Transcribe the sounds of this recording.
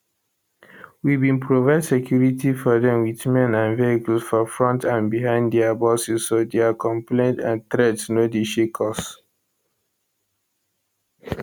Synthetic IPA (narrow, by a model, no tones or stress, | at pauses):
wibĩnpɹovaɪdsekʰjuɹitifɔdɛ̃mwiθmɛ̃nãnveɡsfɔfɹɔ̃ntãnbiɦãɪ̃ndɛabɔsisːodeakɔ̃mplẽɪndãntɹɛdnodeʃikʰɔs